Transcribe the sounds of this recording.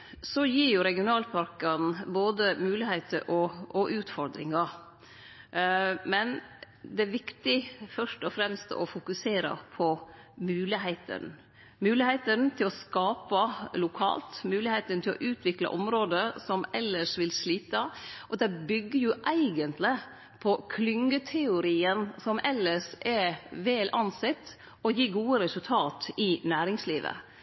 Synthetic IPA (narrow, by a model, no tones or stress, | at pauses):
sɔjiːɾjʊɾɛɡɪʊnɑːlpʰɑɾkɑnboːd̪əmʉːlɪheɪt̪əɾʔɔʔɔʔʉːt̪fɔɾd̪ɾɪ̰ŋɑ | mɛn | d̪ɛæɾʋɪkt̪ɪfœʂʈɔfɾɛmst̪ɔ̰fʊkʉseːɾə̰pʰɔmʉːlɪɦeɪt̪ʰə̰n | mʉːlɪheɪt̪ənt̪ʰɪlɔskɑːpəlʊkʰɑ̰ːlt̪mʉːlɪheɪt̪ənt̪ɪlɔ̰ʔʉːt̪ʰʋɪklɑ̰ʔɔmɾoːd̪əsɔmɛlːəʂʋɪlsliːt̪ɑʔɔd̪ɛbʏɡːəɾjʊʔæɪɡənt̪lɪ | pʰɔkʰlʏŋːət̪ʰɛʊɾiːənsɔmʔɛlːəʂʔɛɾʋeːlʔɑnsɛt̪ː | ɔjiːɡuːəɾɛsʉlt̪ʰɑːt̪ɪnæːɾɪŋsliːʋə̰